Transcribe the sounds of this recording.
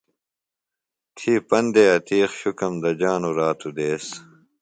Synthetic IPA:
t̪ʰiːpɐnd̪eɐt̪iːxɕukɐmd̪ɐd͡ʑaːnuɾaːt̪ud̪eːs

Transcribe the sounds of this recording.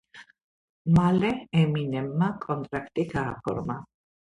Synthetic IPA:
malɛɛminɛmːakʼɔnt̪ɾakt̪ikaːfɔ̰ɾma

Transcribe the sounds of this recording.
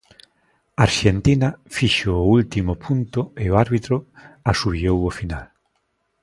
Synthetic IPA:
aaɾʃent̪inafiʃoːult̪imʊpʰunt̪ʊeoaɾβit̪ɾʊasuβiowofina̰l

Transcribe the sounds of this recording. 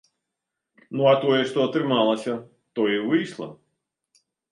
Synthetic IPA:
nuat̪ɔjɛʂt̪ɔɐt̪ɾɨmalˠɐsʲɐ | t̪ɔivɨjʂlˠɐ̰

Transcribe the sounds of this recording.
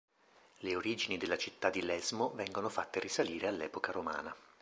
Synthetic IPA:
leoɾiːd͡ʒinid̪elːat͡ʃit̪ːad̪ːilɛzmovɛŋɡonofat̪ːerisaliːɾealːɛ̰ːpokaɾoma̰ːna

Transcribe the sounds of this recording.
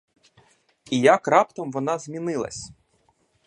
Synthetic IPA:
ijakrɑpt̪ɔmʋɔnɑzʲmʲinɪlˠɐ̰sʲ

